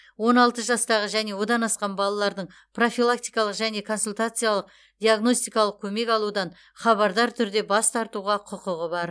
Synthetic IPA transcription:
wo̞nɑlˠt̪əʒɑst̪ɑʁəʒæne̞wo̞d̪ɑnɑsqɑnbɑlˠɑlˠɑɾd̪əɴ | pro̞filˠak̚t̪ijkɑlˠəqʒæne̞kʰo̞nsulʲt̪at̪sɨjalˠəq | d̪ʲiaɡno̞sʲt̪ijkɑlˠəq̚kʲʰɵme̞kʲɑlˠud̪ɑn | χɑβɑɾd̪ɑɾt̪ʰʏɾd̪e̞bɑst̪ʰɑɾt̪uʁɑqʰʊqʊʁəbɑɾ

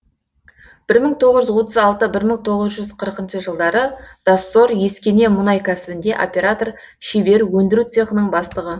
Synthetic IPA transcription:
b̥ɪɾməŋt̪ʰo̞ʁəʒʏzwo̞t̪əzɑlˠt̪əbɪɾməŋt̪ʰo̞ʁəzʒʏzqʰəɾəqənʃəʒəlˠd̪ɑɾəd̪̥asːoɾje̞skʲe̞ne̞mʊnɑjkʲʰæsɪbɪnd̪e̞ʔo̰pʲe̞ɾat̪o̞r | ʃebe̞ɾwɵnd̪ɪɾut̪seqənəɴbɑst̪əʁə

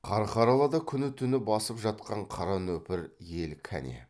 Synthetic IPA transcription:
qʰɑɾɑqʰɑɾɑlˠɑd̪ɑkʲʰʏnɪt̪ʰʏnɪbɑsəpʒɑt̪qɑɴqʰɑɾɑnɵpɪɾje̞lkʲʰæ̰nḛ

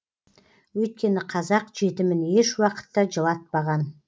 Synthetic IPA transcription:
wɵjt̪̚kʲe̞nɪqʰɑzɑqʒ̥e̞t̪ɪmɪneʃwɑqə̥t̪ːɑʒəlˠɑt̪̚pɑʁɑn

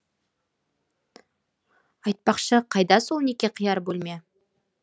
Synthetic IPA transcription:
ɑjt̪̚pɑqʃəqʰɑjd̪ɑsolˠnekʲe̞qʰijɑɾbolˠme̞

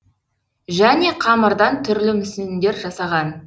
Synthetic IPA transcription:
ʒæne̞qʰɑməɾd̪ɑnt̪ʰʏɾlɪmʏsnɪnd̪e̞ɾʒɑsɑʁɑn

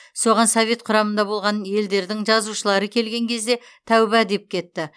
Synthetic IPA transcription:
so̞ʁɑnsovʲe̞t̪qʰʊɾɑmənd̪ɑbo̞lˠʁɑnje̞ld̪e̞ɾd̪ɪŋʒɑzuʃəlˠɑɾəkʲʰe̞lɡʲe̞ŋkʲʰe̞zd̪e̞ | t̪ʰæwbæd̪e̞p̚kʲʰe̞t̪ːɪ

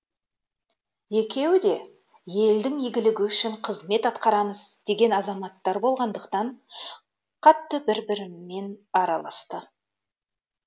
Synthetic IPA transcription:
je̞kʲe̞wɪd̪e̞ | je̞ld̪ɪŋijɡʲɪlɪɡʲɪʏʃɪɴqʰəzme̞t̪ɑt̪qɑɾɑməzd̪̥e̞ɡʲe̞nɑzɑmɑt̪ːɑɾbo̞lˠʁɑnd̪əqt̪ɑɴ | qʰɑt̪ːəbɪɾbɪɾɪme̞nɑɾɑlˠɑst̪ə

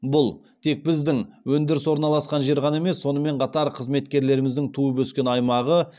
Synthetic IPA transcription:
bʊlˠ | t̪ʰe̞k̚bɪzd̪ɪŋwɵnd̪ɪɾɪswo̞ɾənɑlˠɑsqɑnʒe̞ɾʁɑne̞me̞sːo̞nəme̞ɴqʰɑt̪ɑɾqʰəzme̞t̪kʲe̞ɾle̞ɾɪmɪzd̪ɪŋt̪ʰuəbɵskʲe̞nɑjmɑʁə

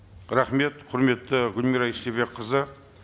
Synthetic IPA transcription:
ɾaχme̞t̪qʰʊɾme̞t̪ːɪɡʊlmiɾɑiʃeβe̞kqəzə

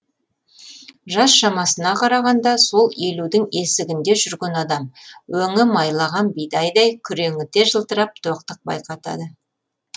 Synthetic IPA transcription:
ʒɑsʃɑmɑsənɑqʰɑɾɑʁɑnd̪ɑso̞lˠe̞lud̪ɪŋe̞sɪɡʲɪnd̪e̞ʒʏɾɡʲenɑd̪ɑmwɵŋɪmɑjlˠɑʁɑnbijd̪ɑjd̪ɑjkʲʰʏɾe̞ŋɪt̪e̞ʒəlˠt̪əɾɑp̚t̪ʰo̞qt̪əq̚bɑ̰jqɑt̪ɑ̰d̪ə

